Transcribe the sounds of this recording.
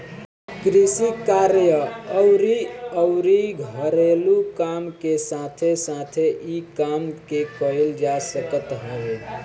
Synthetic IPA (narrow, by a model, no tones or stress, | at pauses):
kɾisikaɾjəəʊɾiəʊɾiɡʱəɾelukamkesat̪ʰesat̪ʰeʔikamkekəeld͡ʒasəkət̪ɦəl